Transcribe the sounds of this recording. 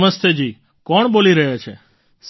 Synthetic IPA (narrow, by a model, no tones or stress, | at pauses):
məst̪ʰed͡ʒi | kɔɳboliɾəɦjat͡ʃʰe | s